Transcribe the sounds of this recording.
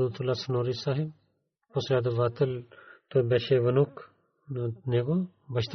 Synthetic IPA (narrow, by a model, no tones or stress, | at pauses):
d̪ut̪ulasɐnoːɾisaːɦib | posjaːd̪ɐʋaːt̪ɐlt̪obeʃeʋɐnuk | neːɡo | bɐʃt̪